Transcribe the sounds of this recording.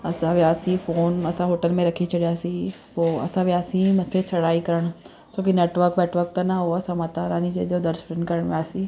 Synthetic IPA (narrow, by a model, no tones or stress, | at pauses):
ɐsãʋjaːsifoːnɐsãɦoːʈəlmẽɾɐkʰit͡ɕʰɐɽijaːsĩ | poːɐ̰sãʋɪjaːsĩmɐt̪ʰet͡ɕʰɐɽaːikɐɾəɽ̃ʊ | soːkineːʈʋəɾkʋeːʈʋəɾk̚t̪anaɦoɐsãmɐt̪anãːnĩd͡ʑeːd͡ʒod̪ɐɾspɾɪ̃nkɐɾəɽ̃ʋjaːsĩ